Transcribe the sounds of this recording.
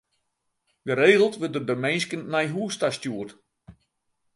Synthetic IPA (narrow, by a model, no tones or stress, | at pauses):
dəɾeːɣəlˠtʋədərdərmejnskənmɛjɦuəstastjuərt